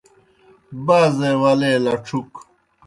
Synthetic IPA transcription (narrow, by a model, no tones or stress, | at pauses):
baːzeːwɐleːlɐʈ͡ʂʰuk